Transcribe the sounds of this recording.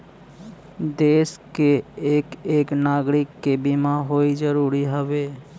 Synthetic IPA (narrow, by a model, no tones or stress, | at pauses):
d̪eskeekeknaɡɾɪkːebimaɦoid͡ʒəɾuɾiɦəbe